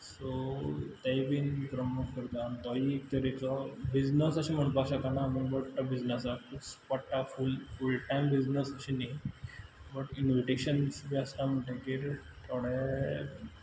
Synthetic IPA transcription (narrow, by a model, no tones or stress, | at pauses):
sot̪abiːnpɾəmukəɾt̪at̪ɔit̪əɾikɔbid͡znəsəɕim̤əɳpaɕakanamubəɽʈ̪abid͡znəsakuspaʈːafulfulʈajmbid͡znəsəɕina | bəʈinʋiʈeɕənsbʱiəst̪am̤əɳʈẽkiːɾ | t̪ʰoɽe